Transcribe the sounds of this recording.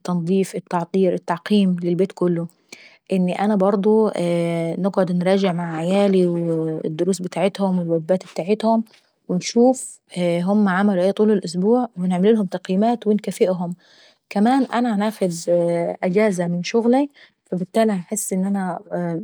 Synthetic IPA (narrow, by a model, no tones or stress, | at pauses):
t̪ːɑnd̪ˤiːfɪt̪ːɑʕt̪ˤiːɾʔɪt̪ːɑʕqiːmlɪlbeːt̪kʊlːʊ | ʔɪnːʔænæbɑɾˤd̪ˤo | nɪɡʕod̪nɾˤɑːd͡ʒɪʕmaʕʕajæːliwed̪ːʊɾuːsbɪt̪aːʕet̪hʊmwɪlwæbːæːt̪bet̪aːʕet̪hʊm | wɪnʃuːf | ɦʊmːæʕamæluʔeːt̪ˤuːlelʔʊs̬buːʕwɪneʕmɪluːlhʊmt̪ɑqjmæːt̪wɪnkæfɪʔɦʊm | kæmæːnʔænænaːxʊd̪ʔɪd͡ʒæːzæmɪnʃʊɣli | fæbɪt̪ːæːliaħesːʔɪnːʔænæ